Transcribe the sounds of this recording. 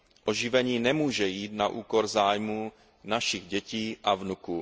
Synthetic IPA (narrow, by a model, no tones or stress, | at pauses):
ʔo̞ʒɪvɛɲiːnɛmuːʒɛjiːt̪naʔuːko̞ɾzaːjmuː | naʃɪɣɟɛciːʔavnukuː